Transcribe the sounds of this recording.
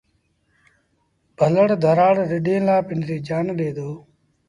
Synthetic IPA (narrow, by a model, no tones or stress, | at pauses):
bʱələɽd̪ʱəɾaːɽɾɪɗẽːlaːpɪnɾiːd͡ʒaːnɗeːd̪oː